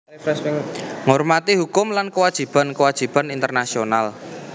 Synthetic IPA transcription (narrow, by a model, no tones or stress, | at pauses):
ɛsŋɔrmat̪iɦukʊmlankəwad̥ʒ̥i̤b̥a̤nkəwad̥ʒ̥i̤b̥anint̪ərnasional